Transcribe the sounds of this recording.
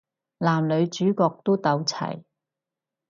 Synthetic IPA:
laː˨˩mlɵ˨˧ɥt͡ʃyː˨˥kɔː˧k̚t̪o˥wt̪ɐ˨˧wt͡sʰɐ̰˨˩j

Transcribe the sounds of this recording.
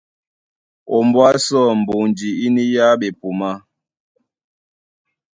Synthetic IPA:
ɔ˨mbwa˦sɔ˦˨m̩˨bo˨ŋd͡ʒi˨i˦ni˦ja˦ɓe˨pu˨ma˦

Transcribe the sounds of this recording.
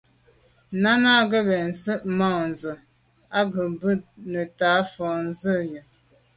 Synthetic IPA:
na˦na˦ɡə˦bɛ˨n̩˨sə˦ʔma˦˨n˨zə˨ | a˦ɡə˨bə˦nə˨ta˨˦fɔ˨n˦zə˦˨jə˨

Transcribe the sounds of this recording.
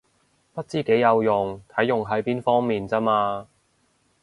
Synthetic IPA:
pɐ˥t̚t͡siː˥ke˨˥jːɐ˨˧wjʊ˨˩ŋt̪ʰɐ˨˥jːʊ˨ŋɦɐ˨˥jpiː˥nfɔː˥ŋmiː˨nt͡sɐ˥maː˧

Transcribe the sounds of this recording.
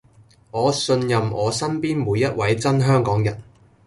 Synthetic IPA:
ŋɔː˨˧sɵ˧njɐ˨mʔɔː˨˧sɐ˥npiː˥nmuː˨˧jːɐ˥t̚wʔɐ˨˥jt͡sɐ˥nɦœː˥ŋkɔː˨˥ŋjɐ̰˨˩n

